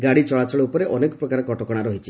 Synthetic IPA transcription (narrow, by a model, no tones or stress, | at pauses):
ɡaɽit͡ʃɔɭat͡ʃɔɭoupɔɾeʔɔnekɔpɾɔkaɾekɔʈɔkɔɽ̃aɾɔɦit͡ʃʰi